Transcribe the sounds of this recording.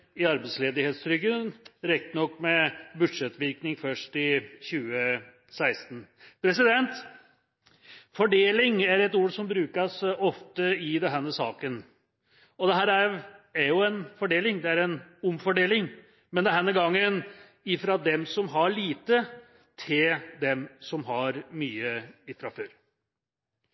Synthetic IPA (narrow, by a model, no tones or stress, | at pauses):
ɪɑɾbɛsleːd̪ɪheːt̪st̪ʰɾʏɡənɾɛk̚t̪ənɔkːmɛbʉd̪ʂɛt̪ːʋɪɾknɪŋfœʂʈɪçʉːə | sæɪst̪ən̩pʰɾɛsɪd̪ɛnt̪ | fɔɖeːlɪŋæɾɛt̪uːɾsɔmbɾʉːkəsɔft̪əɪd̪ɛnɦɛnəsɑːkən | ɔd̪ɛɦæːɾæɾæɾjʊɛnfɔɖeːlɪŋd̪ɛæɾɛnʊmfɔɖeːlɪŋ | mɛnd̪ɛɦɛnːəɡɑŋːən | ɪfɾɑd̪ɛmsɔmɦɑɭiːt̪ə | t̪ʰɪld̪ɛmsɔmɦɑɾmyːəɪfɾɑføːɾ